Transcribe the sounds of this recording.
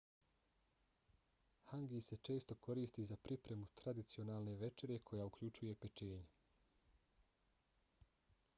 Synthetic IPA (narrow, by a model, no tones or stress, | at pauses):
haŋɡise̞t͡ʃe̞ːst̪o̞ko̞ɾiːst̪izapɾʔipɾe̞mut̪ɾad̪it̪sio̞naːlne̞ʋe̞t͡ʃe̞ɾje̞kʰo̞jaukʎut͡ʃuje̞pe̞t͡ʃe̞ːɲe